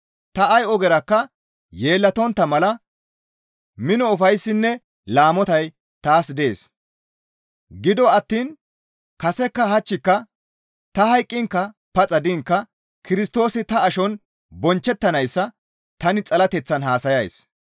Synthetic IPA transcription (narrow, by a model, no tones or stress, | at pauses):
t̪ɐɐjɔɡɛɾɐkːɐ | je̞ːlːɐt̪ɔnt̪ːɐmɐlɐ | mɪnɔʊfɐjsːɪnːɛ | laːmɔt̪ɐj | t̪aːsd̪e̞ːs | ɡɪd̪ɔɐt̪ːiːn | kɐsɛkːɐhɐt͡ʃːɪkːɐ | t̪ɐhɐjkʼːɪŋkːɐ | pɐt͡sʼɐd̪ɪŋkːɐ | kɪɾɪst̪o̞ːsɪt̪ɐːʃɔn | bɔnt͡ʃːɛt̪ːɐnɐjsːɐ | t̪ɐnɪt͡sʼɐlɐt̪ɛt͡sːɐnɦaːsɐjɐj̰s